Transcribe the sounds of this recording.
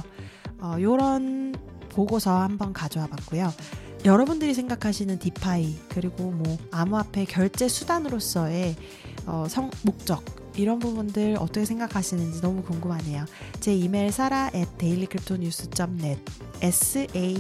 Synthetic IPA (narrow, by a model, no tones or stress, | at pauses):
ʌjoɾʌn | poɡosʰʌhambʌnkad͡ʑoɦabak̚k͈ojo | jʌɾʌbundɯɾis̬ʰe̞ŋɡakʰaɕʰinɯntipʰaikɯɾiɡomwʌamuapʰe̞kjʌɭt͡ɕ͈e̞sʰudanɯɾos͈ʌe̞ | ʌsʰʌŋmok̚t͡ɕ͈ʌɡ̚ | iɾʌnbubundɯɾʌ̰t͈ʌkʰe̞sʰeŋɡakʰaɕʰinɯnd͡ʑinʌmukoŋɡɯmɦaɲe̞jot͡ɕe̞imeɭsʰaɾaʔet͈e̞iʎːikʰɯɾip̚ʰtʰoɲus͈ʰɯt͡ɕ͈ʌmne̞d̚ | esʰɯʔei